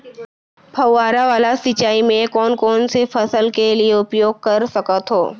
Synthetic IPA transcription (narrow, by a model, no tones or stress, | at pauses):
bʱɐwːaːɾaʋaːlasɪt͡ʃaːimẽkɔːnkɔːnsefɐsəlkelieʊpjoːɡ̚kɐɾsɐkət̪ɦo̰ː